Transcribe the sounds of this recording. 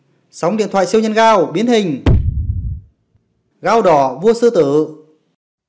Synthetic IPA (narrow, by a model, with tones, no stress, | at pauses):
sa˨˦wŋ͡mɗḭ˧˨nt̪ʰw̰aː˧˨si˧əwɲə˧nɣaː˧wɓi˨˦ənhï˨˩ŋ̟ | ɣaː˧wɗɔ˨˩vu˧əsɨ˧t̪ɨː˧˩˨